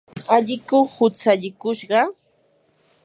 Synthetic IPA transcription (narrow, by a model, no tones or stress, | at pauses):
aʎɪkʊhʊt͡saʎɪkʊʃɢɑ